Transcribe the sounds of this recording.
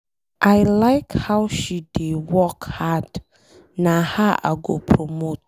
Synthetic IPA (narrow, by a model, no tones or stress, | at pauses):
ʔaɪlaɪkhawʃidewɔkhad | nãhaʔa̰ɡopʰɹomot̚